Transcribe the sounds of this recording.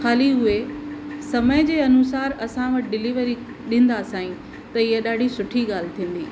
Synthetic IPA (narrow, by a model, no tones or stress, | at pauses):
xaːliɦʊesɐməɪd͡ʑeːɐnʊsaːɾɐsãʋɐʈɖɪliʋəɾi | ɗɪ̃ːn̆d̪asãːĩ | t̪ɐɪɦaɗaːɖʱisʊʈʰiɠaːl̤ɪt̪ʰĩːn̆d̪iː